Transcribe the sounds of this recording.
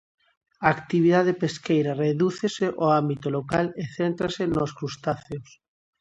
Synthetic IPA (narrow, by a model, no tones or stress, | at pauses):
aːkt̪iβ̞iðaðepeskejɾareðuθeseʔoambit̪olokaleθent̪ɾasenoskɾust̪aθeos